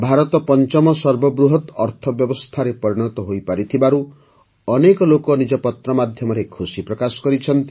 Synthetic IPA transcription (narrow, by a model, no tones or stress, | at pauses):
bʱaɾɔt̪ɔpɔnt͡ʃɔmɔsɔɾbɔbɾuɦɔt̪ɔɾt̪ʰɔbjɔbɔst̪ʰaɾepɔɾiɽ̃ɔt̪ɔɦojpaɾit̪ʰibaɾu | ɔnekɔlokɔnid͡ʒɔpɔt̪ɾɔmad̪ʱjɔmɔɾekʰusipɾɔkasɔ̥kɔɾit͡ʃʰɔnt̪i